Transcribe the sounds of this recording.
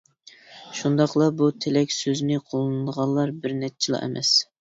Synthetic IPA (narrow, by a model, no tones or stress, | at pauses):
ʃund̪ɑqlˠɑbut̪ʰelɛkʲsøznɪqʰolˠɨnɨd̪əʁɑnlˠɑɾbɪɾnɛt͡ʃʰilˠɑ̰ʔɛ̰mʔɛ̰s